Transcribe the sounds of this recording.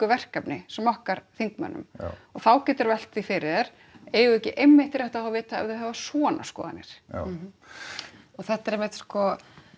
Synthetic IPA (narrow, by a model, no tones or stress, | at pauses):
kʏvɛr̥kapnɪsɛmːɔhkaɾθiŋkmœ̰nːʏ̰mɔɣθawcɛːt̪aɾvɛl̥t̪θifɪɾɪðɛɾ̥ | ɛːɣʏɛhcɪʔejmːɪht̪ɪɾɛht̪aaavɪːt̪aɛ̰vðɪðɦɛvasɔːna̰skɔ̰ːða̰nɛ̰ɾ̥ | ɔθɛht̪aɾejmɪt̪skɔ